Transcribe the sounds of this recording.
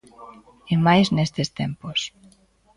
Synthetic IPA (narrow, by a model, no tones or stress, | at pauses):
emajznest̪est̪empos